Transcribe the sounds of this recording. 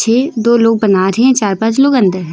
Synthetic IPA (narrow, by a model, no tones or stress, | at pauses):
t͡ʃʰeːd̪oːloːɡ̚bɐnaɾɦẽt͡ʃaːɾpãːt͡ʃloːɡɐ̃nd̪əɾɦɛ̃